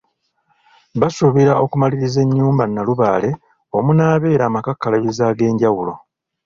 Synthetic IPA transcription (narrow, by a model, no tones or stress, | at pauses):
βasuβiɾao̞kumaliɾize̞ɲːuːmbanːaluβaːle̞ | omunaːβe̞ːɾaːmakakːalaβizaːɡe̞ːɲɟawulo̞̰